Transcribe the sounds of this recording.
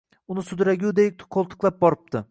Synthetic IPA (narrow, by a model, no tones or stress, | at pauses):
ʊnɪsʊd̪ɾaɡʲud̪ek̚ʲt̪qʰːolˠt̪ʰɨ̥qlˠap̚bɒɾɪp̚t̪ɪ